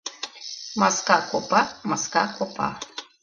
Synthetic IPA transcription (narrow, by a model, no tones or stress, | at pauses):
maskakʷopamaskakopa̰